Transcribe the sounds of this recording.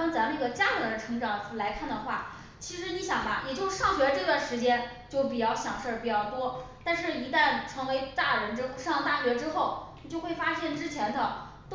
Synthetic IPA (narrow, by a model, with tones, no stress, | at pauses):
t͡sa˧˥mə˧ni˥˩ɡə˩t͡ɕja˥t̪ʰə˧˥d̪ə˧ʈ͡ʂʰɤ˧˥ŋʈ͡ʂɑ˨˩ŋ˧˩la˧˥ɪkʰa˥˩nd̪ə˩xwa˥˩ | t͡ɕʰi˧˥ʂɻ̩˧˥ni˧˥ɕjɑ˨˩ŋbɐ˦jɛ˨˩t͡ɕjo˥˧ʊʂɑ˥˩ŋɕɥɛ˧˥˧ʈ͡ʂɤ˥˧t̪wa˥˩nʂɻ̩˧˥t͡ɕjɛ˥n | t͡ɕjo˥˩ʊp̬i˨˩t͡ɕjɑ˥˩ʊɕjɑ˨˩ŋʂə˞˥˩pi˨˩t͡ɕjɑ˥˩ʊt̪wɔ˥t̪a˥˧nʂɻ̩˥˩i˧˥t̪a˥˩nʈ͡ʂʰɤ˧˥ŋwe˧˥ɪt̪a˥˩ɻə˧˥n̩˥ʂɑ˥˧ŋt̪a˥˩ɕɥɛ˧˥ʈ͡ʂɻ̩˥xo˥˩ʊni˨˩t͡ɕjo˥˧ʊxwe˥˩fa˥ɕjɛ˥˩nʈ͡ʂɻ̩˥t͡ɕʰjɛ˧˥nd̪ə˧ | t̪